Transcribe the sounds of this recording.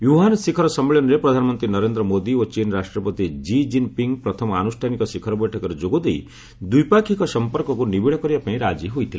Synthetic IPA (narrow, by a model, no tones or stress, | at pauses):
juɦanɔsikʰɔɾɔsɔmːeɭjɔnɔɾepɾɔd̪ʱanɔmɔnt̪ɾinɔɾend̪ɾɔmod̪iot͡ʃinɾasʈɾɔpɔt̪id͡ʒid͡ʒinpiŋɡpɾɔt̪ʰɔmɔanusʈʰanikɔsikʰɔɾɔbɔjʈʰɔkɔɾed͡ʒoɡod̪ej | d̪ujpakʰikɔsɔmpɔɾkɔkunibiɭɔkɔɾibapaĩɾad͡ʒiɦojt̪ʰil